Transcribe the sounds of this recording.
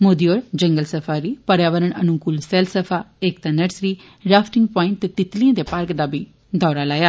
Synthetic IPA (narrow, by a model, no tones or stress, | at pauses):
moːd̪iːoːɾd͡ʒəŋɡəlsəpʰaːɾiːpəɾjaːʋəɾəɳənʊkuːlsɛːlsəpʰaːeːkt̪ãːnəɾsɾiː | ɾaːpʰʈɪŋɡpɔːɪ̃ɳʈ̚t̪eːt̪ɪt̪liãːd̪eːpaɾkd̪aːbiː | d̪ɔːɾaːlaːjaː